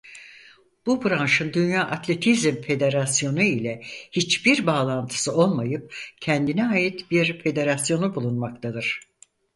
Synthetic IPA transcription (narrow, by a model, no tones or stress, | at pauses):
b̥ubɾanʃɯnd̪ynjaːʔat̪ʰlʲe̞t̪ʰizmfe̞d̪e̞ɾasjo̞nuilʲɛhit͡ʃbiɾbaːlˠant̪ʰɯ̥sɯo̞lˠmajɯp̚cʰɛænd̪inɛaːjit̪biɾfe̞d̪e̞ɾasjo̞nubulˠunmak̚t̪ʰad̪ɯɾ̥